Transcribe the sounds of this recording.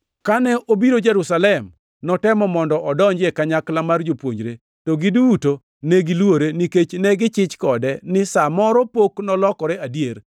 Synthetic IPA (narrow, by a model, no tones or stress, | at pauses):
kanɛʔobiɾod͡ʒeɾusalɛm | nɔtɛmɔmɔndɔʔɔdɔɲd͡ʒekaɲaklamard͡ʒopwo̰ɲd͡ʒɾe | toɡiduuto | neɡilwoɾeniket͡ʃnɛɡɪt͡ʃɪt͡ʃkɔdɛnɪsamɔɾɔpoknɔlɔkɔɾɛadijer